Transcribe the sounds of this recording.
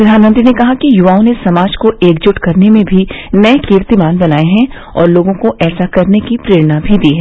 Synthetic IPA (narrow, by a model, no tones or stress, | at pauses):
pɾɐd̪ʱaːnmənt̪ɾinekɐɦakijʊʋaːõnesɐmaːd͡ʒkoeːkd͡ʒʊʈkɐɾnemẽbʱinɐekiɾt̪imaːnbɐnaːeɦɛ̃ | ɔ̰ːɾloːɡõkoʔɛːsakɐɾnekipɾeːɾəñabʱid̪iːɦɛː